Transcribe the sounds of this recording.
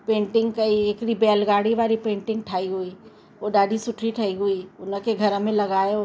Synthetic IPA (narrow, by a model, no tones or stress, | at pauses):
pẽːɳʈɪ̃ŋɡkɐieːkɾibɛːlɡaːɽiʋaːɾipẽːɳʈɪ̃ŋɡʈʰaːiɦui | oːɖaːd̪ʱisʊʈʰɾiʈʰəiɦuiʊnə̃keɡʱɐɾmẽlɐɡaːeoː